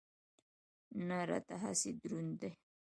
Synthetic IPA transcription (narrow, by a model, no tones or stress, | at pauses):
naɾa̰t̪aɦa̰sid̪ɾund̪e